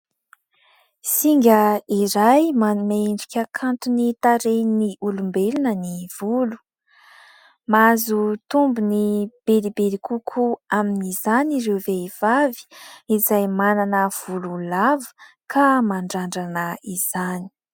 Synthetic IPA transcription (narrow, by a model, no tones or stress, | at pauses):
siŋɡʲəiɾajmanumeeɳɖ͡ʐikʲəkʰant̪unit̪aɾejniʔulumbelinəniv̥ulu̥ | mazut̪umbunib̥elibelikʰukʰuaminizanirewveiv̥avi̥izajmananəv̥ululavə̥ | kʰamaɳɖ͡ʐaɳɖ͡ʐanəiz̥ani̥